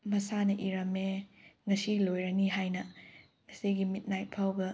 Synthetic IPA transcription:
mɐsanɐʔiɾɐmeŋɐsilojɾɐniɦajnɐ | ɐsiɡimit̚najt̚pʰawbɐ

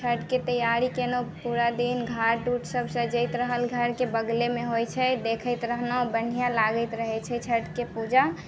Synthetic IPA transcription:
t͡ʃʰəʈket̪əjaɾikenopuɾad̪inɡʱaɾɖuʈʰsəbʱsə̃d͡ʒəɪt̪ɾəɦəlɡʱəɾkebəɡlemẽɦojt͡ʃʰɛd̪ekʰəjt̪ɾəɦnabən̤ijãlaɡəɪt̪ɾəɦɛt͡ʃʰɛt͡ʃʰəʈkepud͡ʒa

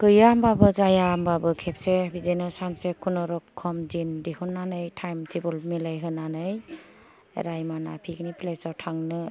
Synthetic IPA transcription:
kɯjambabɯzajambabɯkʰep̚sebizenɯsansekʰunɔɾɔkkʰːɔmd͡ʒindihɯnːanɯjtʰajmtʰibɔlmilajɦɯnanɯj̰ | ɾajmana̰pʰikniplesawtʰaŋnɯ

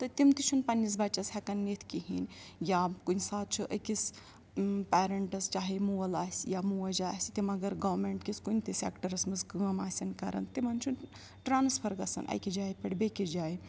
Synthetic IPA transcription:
t̪ɐt̪imt̪it͡ʃʰunpɐnːis̬bɐt͡ʃɐshɐkɐnːit̪ʰkiɦḭnjakunsaːt̪̚t͡ʃʰuʔɐ̰kis | peːɾɐɳʈɐst͡ʃaːɦimuɐlaːsʲjamuɐd͡ʒaːsʲt̪imɐɡɐɾɡɐʋmeɳʈkiskunʲt̪isʲḛːkʈɐɾɐsmɨsɡɨɐmaːsʲɐnkɐɾɐ̰nt̪imɐnt͡ʃʰun | ʈɾaːnspʰɐɾɡɐsɐ̰nʔɐ̰jkid͡ʒaːjpʲɐɽbekid͡ʒaːj

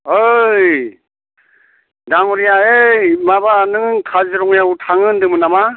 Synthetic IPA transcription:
ɯj | daŋɔɾijaejmabanɯŋŋkʰazɯɾɔŋjautʰaŋɯndɯmɯnama

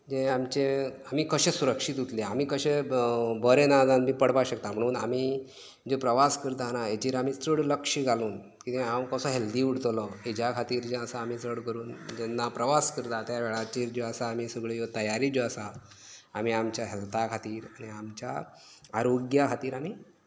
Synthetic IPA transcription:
d͡ʑeamt͡ɕeamiːkəɕesuɾəkʂit̪ut̪leam̤iːkəɕebəɾenad͡zãnmiːpəɽpaɕəkt̪am̤əɽ̃uːna̰mi | d͡ʑepɾəʋaskəɾt̪anaed͡ʑiːɾamiːt͡səɽləkʂiɡʱaluːn | kit̪ẽamkəsɔɦeld̪iːuɽ̤t̪lɔed͡ʑakʰat̪iːɾd͡ʑẽəsaːm̤iːt͡sɾəɽkəɾuːnd͡ʑɛnːapɾəʋaskəɾt̪at̪jaʋeɭat͡ɕiːɾd͡ʑoəsaːm̤iːsəɡɭejot̪əjaɾiːd͡ʑoəsa | am̤iamt͡ɕjaɦɛlt̪akʰat̪iːɾaɽ̃iamt͡ɕja | aɾoɡjakʰat̪iːɾamiː

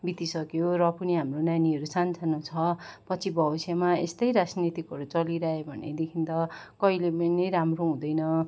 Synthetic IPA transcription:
bit̪isʌkjorʌpʌniɦamronjaniʌɾusant͡sʰanʌ̃t͡sʰʌpʌt͡sʰibʱʌbʌsjamaest̪ʌjɾad͡znit̪ikɦʌɾut͡sʌliɾaɦebʱʌnːḛd̪ekʰint̪ʌkʌilepʌnʌjɾamroɦũd̪ʌjnʌ

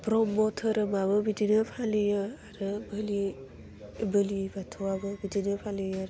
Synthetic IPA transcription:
pɾɔmɔtʰɯɾɯmabɯbidinɯpʰalɯjɯaɾɯbəli | bɯlibatʰɔwabɯbidinɯpʰalɯjaɾ

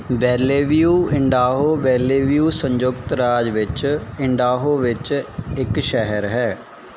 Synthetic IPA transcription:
ʋɛːleːʋijuːɪɳɖaːɦoːʋɛːleːʋijuːsə̃ɲd͡ʒʊkt̪ɾaːd͡ʒʋɪt͡ʃɪɳɖaːɦoːʋɪt͡ʃɪkʃɛɦəɾɦɛː

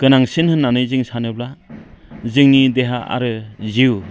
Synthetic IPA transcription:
kɯnaŋsɯnhɯnːanɯjzɯŋsanɯbla | zɯŋnideɦaa̰ɾɯziw

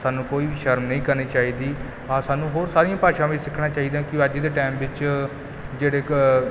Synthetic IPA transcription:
saːnũːkoːiːʋiːʃəɾmnəĩːkəɾniːt͡ʃaːiːd̪iː | ãːsaːnũːɦoːɾsaːɾijãːpaːʃãːʋiːsɪkʰːɽãːt͡ʃaːiːd̪ãːkɪəd͡ʒid̪eːʈaːmʋɪt͡ʃ | d͡ʒeːɽeː

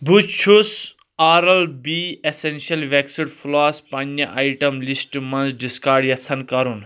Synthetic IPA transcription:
bʱut͡ʃʰus | aːɾɐlbiesensiɐlʋeksiɖfʰulaːspɐnːɐʔajʈɐmlisʈmɐnzɖiskaːɖjɐsʰɐnkɐɾun

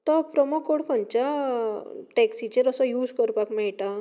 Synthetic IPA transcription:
t̪ɔpɾɔmokoɽkʰə̃ɲt͡ɕa | ʈɛksit͡ɕeɾəsɔjuːd͡zkəɾpakmɛɭʈa

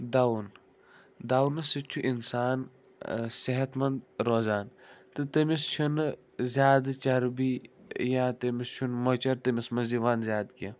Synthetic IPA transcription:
d̪awn | d̪aːwnɨsɨt͡ʃʲʰuʔinsaːn | seɦɐt̪mɐnd̪ɾoːzaːnt̪ɨt̪ɐmist͡ʃʰɐn | zʲjaːd̪t͡ʃɐɾbijãːt̪ɐmist͡ʃʰunmot͡ʃɐɾt̪ɐmismɐziʋaːnzʲjaːd̪kɐ

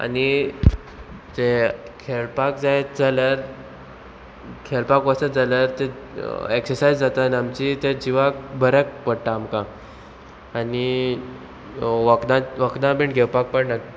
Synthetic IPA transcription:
a̰ni | d͡zekʰeɭpak̚d͡zajd͡zaləɾ | kʰeɭpakʋəsəd͡zaləɾt̪eeksəɾsajd͡zd͡zat̪anamt͡ɕit̪ed͡ʑiʋak̚bʱəɾək̚pəɽʈaːmkaː | ni | ʋəkd̪ãʋəkd̪ãbẽɳʈɡʱɛwpak̚pəɳnək

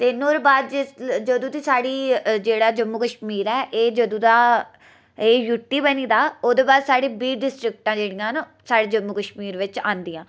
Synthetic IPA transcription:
t̪eːnoːɾbaːd̪ɪd͡ʒəd̪ũːt̪iːsaːɽiːd͡ʒeːɽaːd͡ʒəmːuːkəʃmiːɾɛːʔeːd͡ʒəd̪ũːd̪aː | eːjuʈːiːbəniːd̪aːoːd̪eːbaːd̪saːɽĩːbiːɖɪsʈɾɪk̚ʈãːd͡ʒeːɽijãːn | saːɽeːd͡ʒəmːukəʃmiːɾʋɪt͡ʃãːnd̪iːãː

